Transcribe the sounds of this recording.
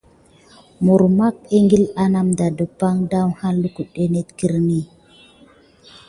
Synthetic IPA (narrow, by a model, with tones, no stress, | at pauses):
mu˨ɾma˦ke˦ŋɡi˦la˦na˦mda˨də˨pa˦ŋda˦wha˦lu˦ku˨ɗe˦ne˦tki˦ɾni˦˨